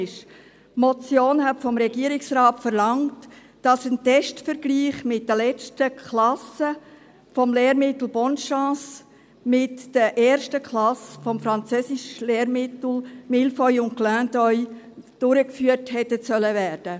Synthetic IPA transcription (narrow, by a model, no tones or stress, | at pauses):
ʃ | mɔt͡sjoːnɦɛtfɔmɾɛɡiəɾɪksɾɑːtfəɾlɑŋt | d̥ɑsəntɛʃtfəɾɡ̥liːχmɪt̚d̥əlɛt͡stəkʰlɑsə | fɔmleːɾmɪtl̩ˠbɔntʃɑ̃ːs | mɪtd̥əʔɛːɾʃtəkʰlɑsfɔmfɾɑnt͡søsɪʃleːɾmɪtl̩mɪlfɔʏʊntklœːndɔʏ | d̥ʊɾəkfyːəthɛtːəsœləvæːɾd̥ə